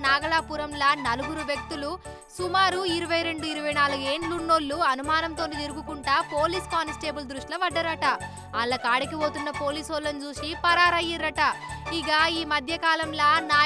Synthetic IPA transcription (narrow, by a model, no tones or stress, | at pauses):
naːɡɐɭaːpuɾɐmlɐnɐluɡuɾuʋjek̚t̪ulu | sumaːɾuiɾuʋɐjɾe̞ɳɖuiɾuʋɐjnaːluɡe̞ːnlunːoːlːuɐnumaːnɐmt̪o̞ːnid̪iɾuɡukuɳʈaːpo̞ːliːskaːnsʈe̞ːbuld̪ɾuʂʈlɐʋɐɖːɐɾɐʈɐ | aːlːɐkaːɽikiʋo̞ːt̪unːɐpo̞ːliːsoːlːɐnd͡ʒuːʃipɐɾaːɾɐjiɾːɐʈɐiɡaiːmɐd̪ʱjɐkaːlɐmlɐnaː